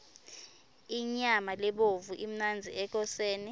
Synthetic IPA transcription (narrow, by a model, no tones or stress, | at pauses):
iɲamalɛɓovuʔim̩nand͡zʱiɛk̬ɔseːni